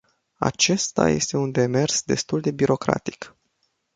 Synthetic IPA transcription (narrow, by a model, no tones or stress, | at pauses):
a̰t͡ʃe̞st̪a̰je̞st̪e̞und̪e̞me̞rsd̪e̞st̪uld̪e̞biɾo̞kɾa̰t̪i̥k